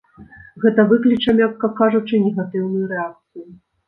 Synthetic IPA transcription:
ɣɛt̪ɐvɨklʲit͡ʂɐmʲakːɐkaʐut͡ʂɨnʲɛɣat̪ɨwnɨjuɾɛak̚t̪sɨju

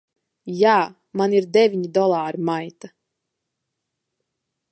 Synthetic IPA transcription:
jaː | maniɾd̪ɛvʲiɲid̪ɔlˠaːɾimajt̪a

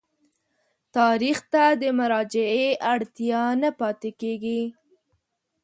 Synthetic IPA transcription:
t̪ɑɾixt̪ad̪əmʊɾɑd͡ʒɪeʔaɽt̪jɑnapɑt̪ekeɡi

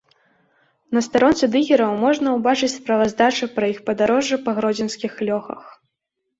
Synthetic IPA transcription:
nɐst̪aɾɔnt̪sɨd̪ɨɣʲiɾɐwmɔʐnɐwbat͡ʂɨt͡sʲspɾɐvɐzd̪at͡ʂɨpɾɐixpɐd̪aɾɔʐɨpɐɣɾɔd͡zʲɛnskʲixlʲɔxɐ̰x

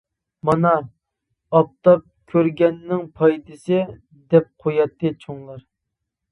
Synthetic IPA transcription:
mɑnɑ | ɑp̚t̪ɑp̚kʲʰøɾɡʲɛnːɪŋpʰɑjt̪ʰɨsɨ | d̪ɛp̚qʰojɑt̪ːɨt͡ʃʰoŋlˠɑɾ

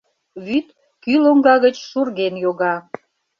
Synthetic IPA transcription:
βyt̪ | kyloŋɡɑɣət͡ɕʃurɣenjoɣɑ

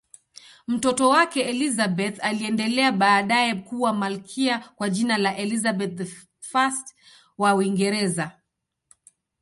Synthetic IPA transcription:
m̩tɔtɔwakɛɛlizabɛθaliɛndɛlɛaɓaːɗajɛkuwamalkʰiakwaʄinalaʔɛlizabɛθ̚ | fast | wauwiŋɡɛɾɛza

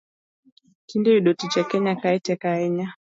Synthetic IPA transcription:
kindɛiɗɔtit͡ʃakɛɲakaɛtɛkaɛɲa

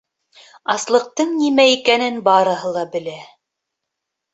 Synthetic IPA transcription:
ɑslˠɤ̆q̚t̪ɤɴnimæikænɘnbɑɾɤ̆ɦɤlˠɑbɘ̆læ

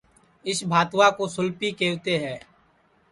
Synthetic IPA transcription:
ɪsbʱaːt̪wakosʊlpikeːwt̪eɦɛ̃ː

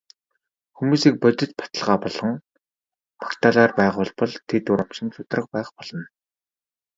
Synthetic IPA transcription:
xumuːsik̚pɔt͡ɕ̪ʲɪ̆t͡ɕpḁt̪ə̆ɮʁaːpɔɮɞ̆ŋ | pḁkt̪ʰaːɮaːrpæːʁʊːɮpɔɮt̪ʰet̪ʊɾɔmʃɪ̆nt͡sʊt̪rə̆q̚pæːχpɔɮ̥ɞ̆n

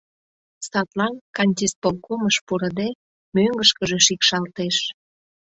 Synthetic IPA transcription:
sɑt̪lɑnkɑnʲt̪ʲispolkoməʃpuɾə̆d̪e | møŋɡəʃkəʒeʃikʃɑlt̪eʃ

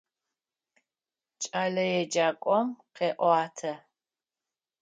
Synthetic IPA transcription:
t͡ʃʼalɐjɛd͡ʒakʷʼɔmqɛʔɔaːtʰɐ

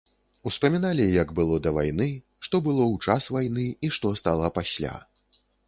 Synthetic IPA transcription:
uspɐmʲinalʲijɐɡbɨlˠɔd̪ɐva̰jnɨ | ʂt̪ɔbɨlˠɔwt͡ʂasvajnɨiʂt̪ɔst̪alˠɐpasʲlʲa̰

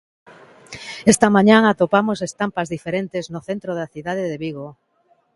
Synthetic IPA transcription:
est̪amaɲãŋat̪opamosest̪ampazðifeɾent̪eznoθent̪ɾoðaθiðað̞eðeβiɣo

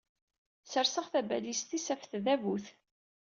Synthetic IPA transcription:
səɾsəʁθæbælist̪isæfθðævuθ

